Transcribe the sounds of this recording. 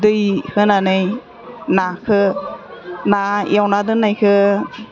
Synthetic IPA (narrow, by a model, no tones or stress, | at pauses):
dɯjhɯnanɯj | nakʰɯ | naj̰awnadɯnajkʰɯ